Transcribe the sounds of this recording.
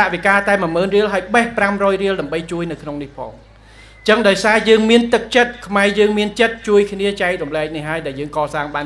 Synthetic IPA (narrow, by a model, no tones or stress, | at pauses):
aʔʋikaːt̪aɛməməːnriəlɦaəjɓəhpramrɔːjriəlɗaəmɓəjt͡ɕuəjnɨwkʰnoŋnihpʰɑ̰ːŋ | t͡ɕəŋɗaɔjsaːjəːŋmiənt̪ɨk̚t͡ɕət̪̚kʰmaɛjəːŋmiənt͡ɕət̪̚t͡ɕuəjkʰniət͡ɕaɛk̚rumlɛːk̚nihɦːaəjɗaɛljəːŋkɑːsaːŋɓaːn